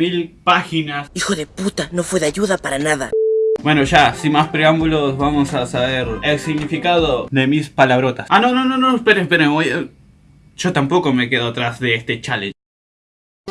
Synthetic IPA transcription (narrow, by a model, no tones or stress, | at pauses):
milpaxinasixoðeput̪ano̞fweðeaʝuðapaɾanaða̰bwe̞noʃasimaspɾeambulosβamosasaβeɾelsiɣnifikaðoðe̞mispalaβɾo̞t̪asano̞nononospeɾespeɾemoj | ʃot̪ampo̞kome̞keðot̪ɾazðeest̪et͡ʃalḛ̃